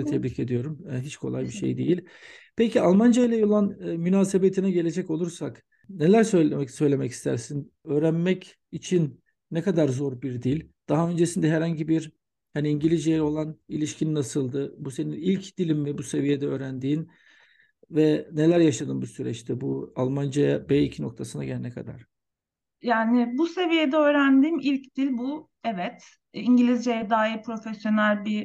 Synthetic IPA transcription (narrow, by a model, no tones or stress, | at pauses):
t̪ʰɛbɾiːcʰe̞d̪ijo̞ɾumɛɦit͡ʃkʰo̞lˠajbiʃḛjd̪ejilʲ | pʰecʰialˠmand͡ʒajlʲˠajolˠanːmynaːse̞bet̪ʰinɛɟe̞lʲe̞d͡ʒɛco̞lˠuɾsak | ne̞lʲæɾsø̞jlɛsø̞jlʲemɛci̥st̪ʰæ̰ɾsin | øːɾænmɛc | it͡ʃʰinː | ɛkad̪aɾzo̞ɾbiɾd̪ilʲd̪̥aɦaø̞nd͡ʒesind̪ɛɦæɾhaɲɟibiɾ | haniːɲɟilʲizd͡ʒejo̞lˠanilʲiʃcʰinnasɯlˠd̪ɯbuse̞ninilʲcd̪̥ilʲimvɛbuse̞vije̞d̪ɛøːɾænd̪iːn | vɛne̞lʲæɾjaʃad̪ɯmbusyɾɛ̰t͡ʃt̪ʰɛbualˠmand͡ʒajabɛicʰino̞k̚t̪ʰasɯnd̪aɟelʲɛnɛkʰa̰d̪a̰ɾ̥ | jaːnɪbuse̞vijed̪ɛøːɾænd̪iːmilʲcd̪̥ilʲbu | ɛvɛt̪ | iɲɟilʲizd͡ʒejɛd̪aːɦipɾo̞fesjo̞nælʲbi